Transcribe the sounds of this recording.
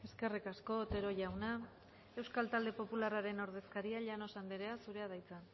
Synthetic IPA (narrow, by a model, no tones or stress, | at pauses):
e̞ske̞rikasko̞t̪e̞ɾo̞ʝawna | e̞wskalt̪ald̪e̞po̞pularaɾe̞noɾðe̞skaɾiaʎano̞sand̪eɾe̞asuɾe̞að̞ajt͡san